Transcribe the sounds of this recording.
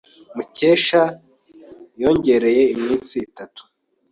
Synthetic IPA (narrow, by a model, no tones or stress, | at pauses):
muceːʃa | jo̞ːɲɟe̞ɾe̞je̞imɲiːnt͡sitatu̥